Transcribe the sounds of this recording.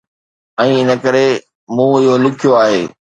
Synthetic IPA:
ɛ̃ːɪnə̆kəɾe | mũːɪɦolɪkʰɪjoaːɦeː

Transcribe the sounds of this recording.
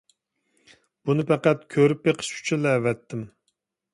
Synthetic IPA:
b̥unɪpæqæt̪̚kʲʰøɾypjeqʰə̥ʃkʰy̥t͡ʃʰɪlɛːvɛt̪ʰːɪm

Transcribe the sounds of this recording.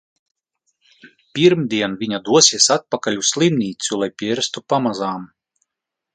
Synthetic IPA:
pʲiɾmd̪ʲiɛnvʲiɲad̪uɔsʲiɛsat̪̚pakalʲusslˠimnʲiːt̪sulˠajpʲiɛɾst̪upamazaːm

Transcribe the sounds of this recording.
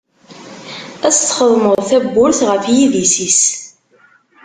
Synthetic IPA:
æst̪ːχəðˤməðˤθæbːʊɾθʁəfjiðisis

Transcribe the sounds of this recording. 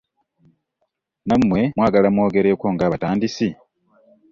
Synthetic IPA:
namːwe̞mwaːɡalamwo̞ːɡe̞ɾe̞ːko̞ːŋɡaːβataːndisi

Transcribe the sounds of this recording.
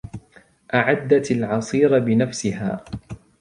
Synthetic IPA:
ʔaʕad̪ːat̪alʕɑsˤiːɾbɪnafsɪɦa̰ː

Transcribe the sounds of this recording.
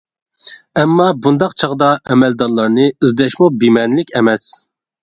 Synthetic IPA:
ɛmːɑbund̪ɑqt͡ʃʰɑʁd̪ɑʔɛmɛld̪ɑɾlˠɑɾnɨyzd̪ɛʃmubimɛnlɪkʲɛmɛs

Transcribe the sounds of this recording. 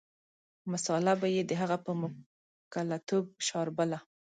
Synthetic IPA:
masɑlabajed̪əɦaɣapəmʊ | kalat̪ob̚ʃɑɾbəla

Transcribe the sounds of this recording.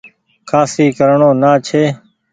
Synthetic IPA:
kʰaːsiːkəɾɳoːnaːt͡ʃʰeː

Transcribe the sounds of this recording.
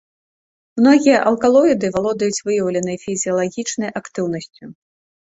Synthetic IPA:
mnɔɣʲijɐʔɐlˠkalˠɔjid̪ɨvalˠɔd̪ɐjut͡sʲvɨjɐwlʲɐnɨjɐfʲizʲiɐlˠaɣʲit͡ʂnɐjʔakt̪ɨwn̪ɐsʲt͡sʲu

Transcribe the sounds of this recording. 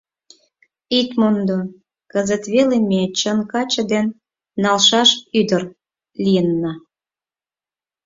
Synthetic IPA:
it̪mond̪o | kəzət̪βelemet͡ɕənkɑt͡ɕə̆d̪enː | ɑlʃɑʃyd̪ər | lijənːɑ

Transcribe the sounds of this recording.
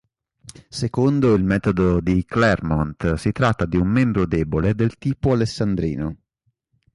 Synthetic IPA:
sekond̪oilmɛːt̪od̪od̪iklɛrmont̪sit̪ɾat̪ːad̪iumːɛmbɾod̪eːboled̪elt̪iːpoalesːand̪ɾḭːno

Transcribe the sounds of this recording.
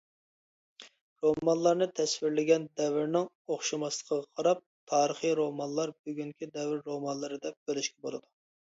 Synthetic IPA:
ɾomɑnlˠɑɾnɨt̪ʰɛswɪɾlɪɡʲɛnd̪ɛvɪɾnɪŋ | oχʃɑmɑslˠə̥qʰəʁɑqʰɑɾɑp̚t̪ʰɑːɾəχijɾomɑnlˠɑɾbyɡʲyŋkʲʰid̪ɛvɪɾːomɑnlˠɨɾɨd̪ɛp̚bølɪʃkʲɛbolˠɨd̪u

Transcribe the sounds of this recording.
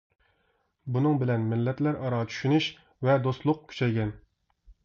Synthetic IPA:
bunɨŋbɪlɛnmɪlːɛt̪læɾʔɑɾɑt͡ʃʰy̥ʃynyʃ | vɛd̪ost̪lˠʊq̚kʲʰy̥t͡ʃʰɛjɡʲɛn

